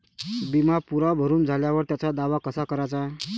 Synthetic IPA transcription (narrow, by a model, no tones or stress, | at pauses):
bimapuɾabʱəɾuːnd͡zʱaljaʋəɾt̪jat͡sad̪aʋakəsakəɾat͡sa